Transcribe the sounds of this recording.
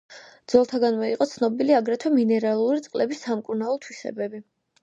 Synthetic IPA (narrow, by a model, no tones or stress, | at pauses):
d̪z̥ɔlˠt̪ʰaɡanmɔiqʼɔt̪sʰnɔbiliaɡɾɛt̪ʰwɛminɛɾalˠuɾit̪sʼqʼlɛbisːamkʼuɾnaɔt̪ʰwisɛ̰bɛbi